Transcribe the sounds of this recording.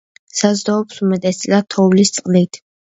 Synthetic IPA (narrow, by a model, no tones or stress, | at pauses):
sazd̪ɔːpsumɛt̪ʼɛst̪sʼlat̪ʰɔwlist̪sʼqʼlit̪ʰ